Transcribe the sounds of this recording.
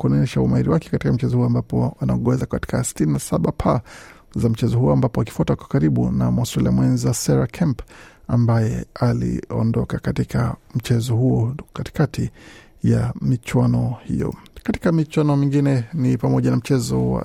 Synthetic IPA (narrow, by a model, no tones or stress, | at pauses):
kuɔnɔɲɛʃaumahiɾiwakɛ̥kati̥kam̩t͡ʃɛzɔhuɔambapɔanaɔɠɛzakati̥kasi̥tininasaɓapʰa | zam̩t͡ʃɛzɔhuɔambapɔaki̥fuatakwḁkaɾiɓṵnamastɛlḭamwɛnzasɛɾakʰɛmpambajɛalḭɔ̰ndɔkakatikʰam̩t͡ʃɛzɔhuɔkati̥kati | jamit͡ʃwanɔhḭjɔ̰kati̥kamit͡ʃwanɔmiŋɡinɛnipamɔʄanam̩t͡ʃɛzɔwa̰